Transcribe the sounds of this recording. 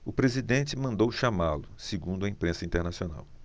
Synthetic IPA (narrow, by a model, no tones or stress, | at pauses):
ʊpɾezid̪ẽnt͡ʃɪmɐ̃nd̪owʃamalʊsɪɡũnd̪ʊɐĩpɾẽsɐĩnt̪eɾnasiona̰w